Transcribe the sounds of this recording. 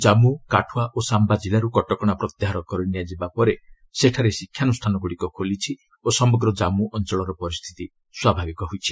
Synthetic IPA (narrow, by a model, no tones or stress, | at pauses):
d͡ʒamukaʈʰuwaʔosambad͡ʒilaɾukɔʈɔkɔɽ̃apɾɔt̪jeɦaɾɔkɔɾɔiniad͡ʒibapɔɾe | seʈʰaɾesikʰjanusʈʰanɔɡuɽikɔkʰolit͡ʃʰi | osɔmɔɡɾɔd͡ʒamuʔɔnt͡ʃɔɭɔɾɔpɔɾist̪ʰi̥t̪i | swabʱabikɔɦojt͡ʃʰi̥